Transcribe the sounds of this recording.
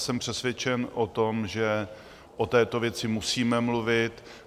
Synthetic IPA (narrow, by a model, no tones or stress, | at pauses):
sɛmpr̥ɛsvjɛt͡ʃɛnʔot̪omʒɛ | ʔot̪ɛːt̪o̞vjɛt͡sɪmusiːmɛmluvɪt̪